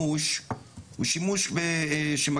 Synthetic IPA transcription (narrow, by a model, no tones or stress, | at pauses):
uʃ | ṵʃimuʃbeʃema